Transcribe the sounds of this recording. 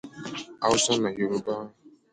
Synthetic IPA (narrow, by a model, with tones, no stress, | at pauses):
a˨ʊ˦sɔ˦na˨je˨ɾo˦ba˦˨